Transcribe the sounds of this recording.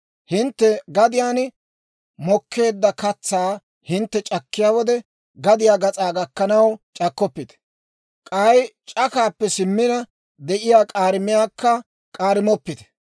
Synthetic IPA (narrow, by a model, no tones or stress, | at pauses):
hɪnt̪ːɛɡɐd̪ɪjaːn | mɔkʰːe̞ːd̪ːɐkɐt͡sːaː | hɪnt̪ːɛt͡ʃʼɐkːɪjaːwɔd̪ɛ | ɡɐd̪ɪjaːɡɐt͡sʼaːɡɐkːɐnɐwt͡ʃʼɐkːɔpːɪt̪ɛ̥ | kʼɐjt͡ʃʼɐkaːpːɛsɪmːɪnɐ | d̪ɛʔɪjaːkʼaːɾɪmɪjaːkːɐ | kʼaːɾɪmɔpːɪt̪ɛ̥